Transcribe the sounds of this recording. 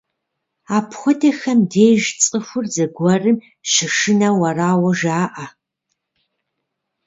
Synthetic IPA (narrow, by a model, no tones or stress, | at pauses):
aːpʰxʷɔdɐxɐmdeːʒt͡sʼɨxʷʊrzɐɡʷɐrɨm | ʃɪʂɨnɐwɐraːwɐʒaːʔa